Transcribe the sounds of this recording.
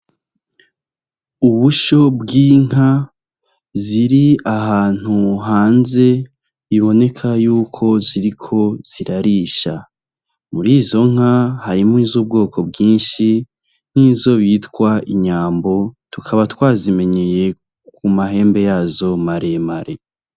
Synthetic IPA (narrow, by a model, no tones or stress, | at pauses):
uβuʃo̞bɡiːŋ̥a | ziɾiahaːn̥uɦaːnze̞ | iβo̞ne̞kʰajuːkʰo̞ziɾikʰo̞z̥iɾaɾiːʃa | muɾiːzo̞ŋ̥ahaɾimŋiːzub̚ɡo̞ːko̞bɡiːnʃi | n̥iːzo̞βiːtkwaiɲaːmbo̞tukʰaβatwaːzime̞ɲeje̞ | kumaɦe̞ːmbe̞jaːzo̞maɾe̞maɾe̞